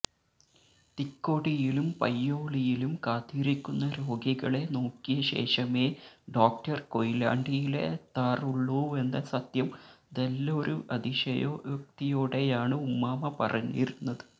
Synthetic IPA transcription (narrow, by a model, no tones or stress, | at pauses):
t̪ikːoːɽijilumpɐjːoːɭijilumkaːt̪ːiːɾikʲːunːɐɾo̞ːɡiɣɐɭe̞no̞ːkːijɐɕe̞̰ːʂɐme̞ːɖoːk̚ʈɐrko̞jila̰ːɳɖijile̞̰t̪aːruɭːuːe̞nd̪ɐsɐt̪jɐmd̪elːɐoɾuʔɐd̪iʂɐ̰jo̰ːjuk̚t̪ijoːɽe̞jaːɳɨumːaːmɐpɐ̰rɐɲːḭjɾunːɐðɨ̥